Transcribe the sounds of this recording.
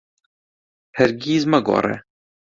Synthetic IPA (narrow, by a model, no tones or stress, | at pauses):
hɛɾɡiːzmɐɡɔ̰ːɾɛ̰